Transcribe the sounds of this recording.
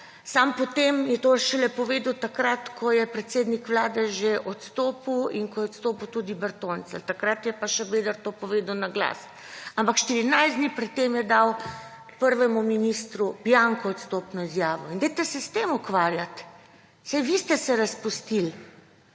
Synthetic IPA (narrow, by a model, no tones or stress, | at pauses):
sampɔt̪emjɛt̪oʃɛlɛpɔʋeːd̪wt̪akɾat̪kʰɔjɛpɾɛt̪seːd̪nikʋlaːd̪ɛʒeʔɔt̪st̪oːpəwiŋkɔjɛɔt̪st̪oːpəwt̪ud̪ibɛɾt̪ont̪sɛ̰lt̪akɾat̪jɛpaʃɛbeːd̪əɾt̪oːpɔʋeːd̪əwnaɡla̰ːs | ampakʃt̪iɾinajzd̪nipɾɛt̪̚tːemjɛd̪aw | pəɾʋɛmuminist̪ɾubjaŋkɔɔt̪st̪oːpnɔizjaːʋɔind̪ɛjt̪ɛsɛst̪emukʋaːɾjat̪ | sɛjʋist̪ɛsɛɾɐspust̪il